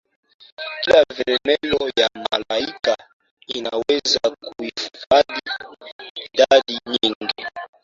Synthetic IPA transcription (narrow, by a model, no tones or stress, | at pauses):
kilavɛɾɛnɛlɔjama̰laika | inawɛzakuiffaɗi | dadiɲiŋɡi